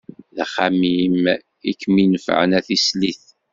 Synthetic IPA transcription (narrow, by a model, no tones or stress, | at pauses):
ðχamim | ikːminəfʕə̰næθisliθ